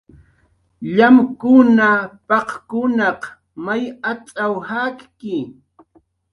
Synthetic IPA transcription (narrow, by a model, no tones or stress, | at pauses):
ʎamkʊnapɑqkʊnɑq | majat͡sʼawhakkɪ